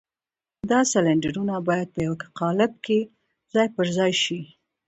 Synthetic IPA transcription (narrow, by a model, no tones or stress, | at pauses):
d̪ɑsalaɳɖaɾunabɑjad̪̚pəjawkḁqɑlɪb̚ke | z̥ɑjpəɾzɑjʃi